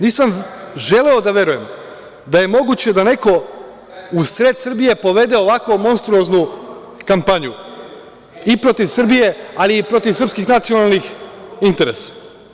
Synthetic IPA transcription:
niːsamʒe̞le̞od̪aʋe̞ɾuje̞m | d̪aje̞mo̞ɡut͡ɕe̞d̪ane̞ko̞ | usɾe̞ːd̪sɨr̩bije̞po̞ʋe̞d̪e̞oʋako̞mo̞nst̪ɾuoznu | kampaɲu | ipɾo̞t̪iʋsɨr̩bije̞aliːpɾo̞t̪iʋsɾr̩pskixnat̪sijo̞nalˠnixint̪e̞ɾe̞sḁ

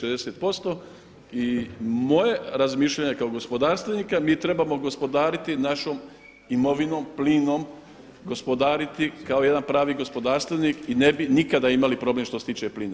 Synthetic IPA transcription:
ʃed̪eset̪̚po̞st̪o̞ | imo̞je̞ɾazmiːʃʎaɲe̞kaoɡo̞spo̞d̪aːɾst̪ʋeniːkamiːt̪ɾe̞bamo̞ɡo̞spo̞d̪aːɾit̪inaʃoːm | imo̞ʋino̞ːmpliːno̞ːm | ɡo̞spo̞d̪aːɾit̪ikaoje̞d̪anpɾaːʋiːɡo̞spo̞d̪aːɾst̪ʋeniːkinebinikad̪aimalipɾo̞blemʃt̪oset̪iːt͡ʃe̞pliːna

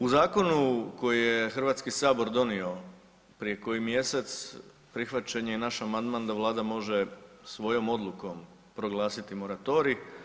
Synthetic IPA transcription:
uzaːko̞nuko̞jijexr̩ʋaːt̪skisaːbo̞ɾd̪o̞nio̞ | pɾije̞ko̞jimje̞se̞t̪s | pɾixʋat͡ɕe̞ɲejenaʃamand̪mand̪aʋlˠaːd̪amo̞ʒe̞sʋo̞jo̞mo̞d̪lˠuko̞m | pɾo̞ɡlˠaːsit̪imo̞ɾat̪o̞ɾi

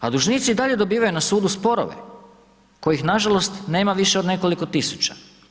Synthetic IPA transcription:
ad̪uʒniːt̪siːd̪aʎe̞d̪o̞biːʋajunasuːd̪uspo̞ɾo̞̰ʋḛ | ko̞jixnaʒalo̞st̪ne̞ːmaʋiʃeo̞d̪ne̞ko̞liko̞t̪isu̥t͡ɕa

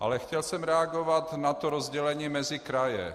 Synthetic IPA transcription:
ʔa̰lɛxcɛlsɛmɾɛaɡovat̪nat̪oɾozɟɛlɛɲiːmɛzɪkɾajɛ̰

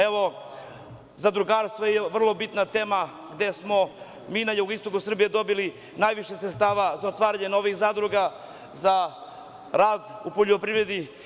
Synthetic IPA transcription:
eʋo̞ | zad̪ɾuɡaːɾst̪vojeʋr̩lˠo̞bit̪nat̪e̞ːma | ɡd̪esmo̞ | miːnajuɡist̪oɡusr̩bijed̪o̞bili | najʋiʃesɾet̪st̪aːʋazaot̪ʋaːɾaɲenoʋixzaːd̪ɾuɡa | za | ɾaːd̪upoʎopɾivɾe̞d̪i

